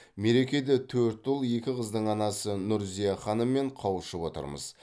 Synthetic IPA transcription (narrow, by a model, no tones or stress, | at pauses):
me̞ɾe̞kʲe̞d̪et̪ʰːɵɾt̪ʊlˠje̞kʲɪqəzd̪əɴɑnɑsənʊɾzijɑχɑnəmːe̞ɴqʰɑwəʃəpwo̞t̪ə̰ɾmə̰z̥